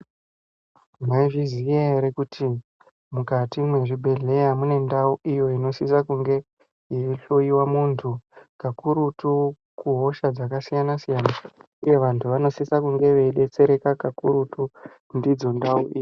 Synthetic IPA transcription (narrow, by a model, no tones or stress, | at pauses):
ŋaiʐizijeeɾekutʰi | mukatimwe̞ʐibʱe̞ɮe̞jamune̞ndauʔijo̞ino̞sisakuŋɡe̞ | jiiɬoiwamuːntʰukakuɾutu | kuɦo̞ʃad͡zakasijanasijana | uje̞ʋantʰuʋano̞sisakuŋɡe̞ʋe̞iɗe̞t͡se̞ɾe̞kakakuɾutu | ndid͡zo̞ndauʔiːi